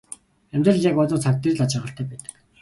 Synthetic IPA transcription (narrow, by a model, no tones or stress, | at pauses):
æmʲt̪rə̆ɮjakɔt̪ə̆ːt͡sʰak̚t̪erɮat͡ɕɪ̆ʁə̆ɬt̪ʰæːpæːt̪ə̥̆k